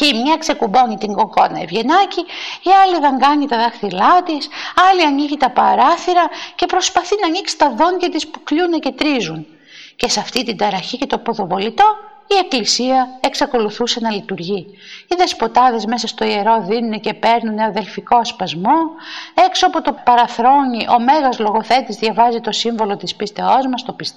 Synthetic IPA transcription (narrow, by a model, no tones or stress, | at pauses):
ce̞imɲɐkse̞kubo̞ɲit̪iŋɡo̞ko̞nɐevʝe̞nɐciiɐliðeŋɡɐɲit̪ɐðɐxθilɐt̪isɐliɐniʝit̪ɐpɐɾɐθiɾɐce̞pɾo̞spɐθinɐniksi̥t̪ɐðo̞ɲʝɐt̪ispukʎunece̞t̪ɾizun | ce̞sɐft̪it̪id̪ɐɾɐçice̞t̪o̞po̞ðovo̞lit̪o̞ | ie̞klisiɐe̞ksɐko̞luθuse̞nɐlit̪uɾʝi | iðe̞spo̞t̪ɐðe̞zme̞sɐst̪o̞ie̞ɾo̞ðinunece̞pe̞ɾnuneɐðe̞lfiko̞ɐspɐzmo̞e̞ksopot̪o̞pɐɾɐθɾo̞ɲiʔo̞me̞ɣɐzlo̞ɣo̞θe̞t̪izðʝɐvɐzit̪o̞siɱvo̞lo̞t̪ispist̪e̞o̞zmɐst̪o̞pis